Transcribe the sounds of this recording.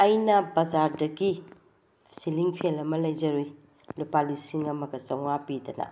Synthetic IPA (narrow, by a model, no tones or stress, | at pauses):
ajnɐbɐzaɾdɐɡi | siliŋpʰelɐmɐlɐjd͡ʒɐɾuj | lupalisiŋɐmɐɡɐsɐwŋapidɐnɐ̰